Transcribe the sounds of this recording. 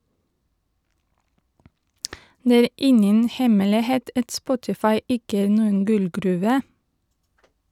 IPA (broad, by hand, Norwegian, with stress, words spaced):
ˈneː ˈæːɾ ˈɪŋən ˈhɛmɛlɪˌheːt ˈɑt ˈspɔtɪfɑɪ ˈɪkə ˈæːɾ ˈnuːən ˈɡʉlɡɾʉːʋə